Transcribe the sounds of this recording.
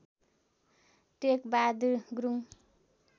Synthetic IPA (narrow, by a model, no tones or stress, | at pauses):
ʈekbad̪ɡɾuŋ